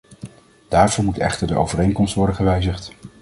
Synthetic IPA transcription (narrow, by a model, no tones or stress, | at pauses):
d̥aːɹvʊːɹmutɛ̰χtəɹdəʔo̰wvərejŋkɔmstʋɔɹdəχəʋɛjzəχt